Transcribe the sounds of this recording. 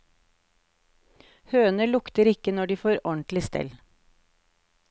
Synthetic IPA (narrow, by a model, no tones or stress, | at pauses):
høːnəlʊkt̪əɾɪkənɔɖiːfoːɾɔɳt̪lɪst̪ɛ̰l